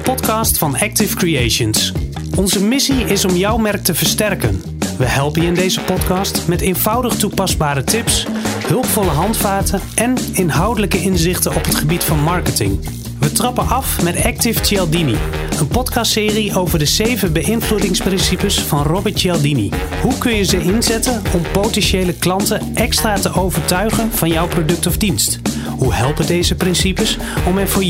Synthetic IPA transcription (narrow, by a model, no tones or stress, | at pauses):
pɔtkɑstfɑnɛk̚tɪfkriejʃəns | ɔnzəmɪsiɪsɔmjʌwmɛrk̚təvəɹstɛrkən | ʋəɦɛlˠpənjəɪndejzəpɔtkɑːstmɛtejnv̥ʌwdəχtupɑzbaːɾətɪpshɵlˠpfɔləɦɑntfaːtəʔɛnɪnɦɑwdələkəʔɪnzɪχtənɔpɦətχəbitfɑnmɑɹkətɪ̰ŋ | ʋətrɑpənʔɑfmɛtɛk̚tɪftɛlˠdini | ənpɔtkɑstsɪːriʔowvəɹdəzejvənbəɪnvludɪŋsprɪnsipəsfɑnrɔbətɛlˠdinḭ | hukɵnjəzəɪnzɛtənɔmpowtɛnʃejləklɑntəʔɛkstraːtəʔowvəɹtœɥχənv̥ɑnjɔwprodɵk̚tɔvdinst | huhɛlˠpədejzəprɪnsipəs | ɔmɛnvʊː